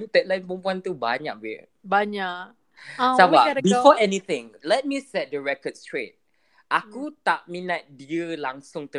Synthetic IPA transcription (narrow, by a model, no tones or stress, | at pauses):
t̪ɛt̪̚lãjnpəmpuant̪uba̰ɲa̰ʔ̚bi | baɲaʔ | ababifɔʔɛnit̪ɪ̃ŋlɛt̚misɛt̚dəɹɛkɔd̚stɹet̚ | ʔakut̪aʔmĩnat̪̚diəlaŋsʊ̃ŋt̪ə